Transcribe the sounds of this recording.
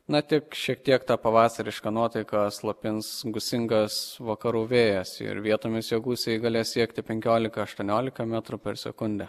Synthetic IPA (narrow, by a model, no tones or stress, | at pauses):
nɐt̪ʲɪkʃʲiɛk̚t̪ʲiɛkt̪ɑːpɐʋɑːsɐɾʲɪʃkɐnuɔt̪ɐɪkɑslˠɐpʲɪnsɡʊsʲɪŋɡɐsʋɐkɐɾuːʋʲeːjɛsɪ̰ɾʋʲiɛt̪oːmʲɪsjoːɡuːsʲejɡɐːlʲeːsʲiɛkt̪ʲɪpʲɛŋʲkʲoːlʲɪkɐɐʃt̪uɔnʲoːlʲɪkɐmʲæt̪ɾʊpʲɛɾsʲɛ̰kʊnʲd̪ʲɛ